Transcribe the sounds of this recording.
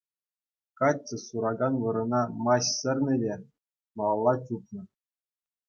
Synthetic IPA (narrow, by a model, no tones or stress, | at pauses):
kɑtʲt͡ɕːɤ̆suɾɑɡɑnʋɤ̆ɾɤ̆nɑmɑɕsʲɘ̆rʲnʲɘ̆lʲe | mɑlˠːɑt͡ɕʲupnɤ̆